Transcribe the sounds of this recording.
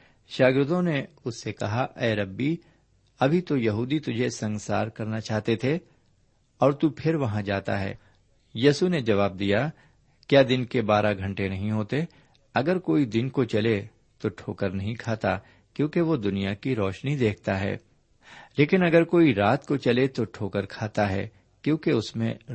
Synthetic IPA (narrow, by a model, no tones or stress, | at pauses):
ʃaːɡɪɾʊt̪õneʊsːekɐɦaʔɛːɾɐbːi | ɐbʱit̪ojɐɦuːd̪it̪ʊd͡ʒʱesɐ̃ŋsaːɾkɐɾnat͡ʃaːɦt̪et̪ʰe | ɔːɾt̪upʰɪɾʋɐɦãd͡ʒaːt̪a̰ɦɛ̰ː | jiːsuned͡ʒɐʋaːb̚d̪ija | kjaːd̪ɪnkebaːɾʔaɡʱɐ̃ɳʈenɐɦĩɦoːt̪e | ɐɡəɾkoːid̪ɪnkot͡ʃɐle | t̪oʈʰoːkəɾnɐɦĩkʰaːt̪a | kjõːkeʋod̪ʊnijakiɾɔːʃnid̪eːkʰt̪aɦɛ̰ː | leːkɪnɐɡəɾkoːiɾaːt̪kot͡ʃɐlet̪oʈʰoːkəɾkʰaːt̪aɦɛ̰ː | kjõːkeʊsmẽ